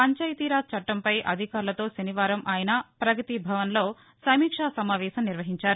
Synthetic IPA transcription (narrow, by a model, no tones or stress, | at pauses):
pɐɲt͡ʃɐjt̪iːɾaːt̪̚t͡ʃɐʈːɐmpɐjʔɐ̰d̪ʱikaːɾlɐt̪o̞ːʃɐniʋaːɾɐmʔaːjɐnɐpɾɐkɐt̪ibʱɐʋɐnlo̞ː | sɐmiːkʂaːsɐmaːʋɛːsɐmniɾʋɐɦiɲt͡ʃaːɾu